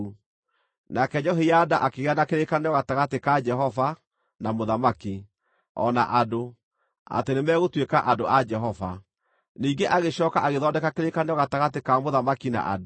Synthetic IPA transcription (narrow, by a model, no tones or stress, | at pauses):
u | nakɛɲɔɦejadaʔakeɣeanakeɾekaneɔɣataɣatekad͡ʒɛɦɔva | namoðamaki | ɔ̰naʔado | a̰tenemɛːɣotwekaʔadoʔad͡ʒɛɦɔva̰ | niːŋɡeʔaɣeɕɔːkaʔaɣeðɔːndɛkakeɾekaneɔɣataɣatekamoðamakina̰ʔa̰d